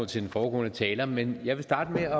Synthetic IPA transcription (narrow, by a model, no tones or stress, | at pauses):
n̰t͡sʰe̝d̥enfɒːɡɔ̰ːnət͡sʰɛːlɐmenjɑ̈ɪʋe̝sd̥ɑ̈ːd̥əmeɒ̽